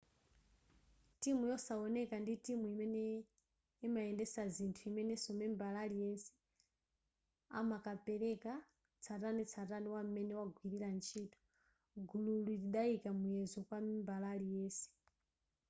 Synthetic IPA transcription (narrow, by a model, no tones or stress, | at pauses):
timujɔsaɔnɛkanditimuimɛnɛ | imaɛndɛsazintʰuimɛnɛsɔmɛmbalalijɛnsɛ̥ | a̰makapɛɾɛka | t͡sʰatanɛt͡sʰatanɛwam̩mɛnɛwaɡwiɾiɾant͡ʃʰiːtɔ̥ | ɡululuɾiɗaikamujɛzɔkwamimbalalijɛːsɛ̥